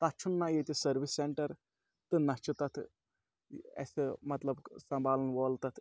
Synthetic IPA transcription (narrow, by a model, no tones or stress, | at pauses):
t̪at͡ʃʰunːajet̪isɐɾʋisːeɳʈɐɾ | t̪ɨnɐt͡ʃit̪ɐt̪ʰ | ḛsɨmɐt̪lɐbsɐmbʱaːlɐnʋoːlt̪ɐt̪ʰ